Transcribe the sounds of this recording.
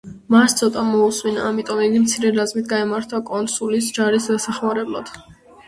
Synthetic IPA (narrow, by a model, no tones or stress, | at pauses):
mast̪sʰɔt̪ʼamɔusminaːmit̪ʼɔmiɡimt̪sʰiɾɛɾazmit̪̚ʰɡaɛmaɾt̪ʰakʼɔnsulisd͡ʒaɾisd̪asaχmaɾɛblˠa̰d̪̥